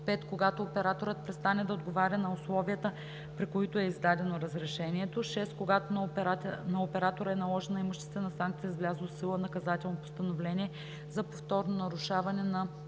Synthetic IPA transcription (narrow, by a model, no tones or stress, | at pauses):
pɛt̪koɡat̪oːpɛɾat̪oɾət̪̚pɾɛt̪st̪anɛd̪ɐod̪ɡovaɾʲɐnɐʊslˠɔviət̪ə | pɾikoit̪oɛizd̪ad̪ɛnoɾɐzɾɛʃɛniɛt̪oʃɛst̪koɡat̪onpnɐopɛɾat̪oɾəɛnɐlˠɔʒɛnːɐimoʃt̪ɛst̪ɛnɐsaŋk̚t̪sijəizvlʲazəlˠsilˠənɐkɐzat̪ɛlˠnopo̥st̪ɐnovlɛniɛ | zɐpoft̪ɔɾnonɐɾʊʃavɐnɛnɐ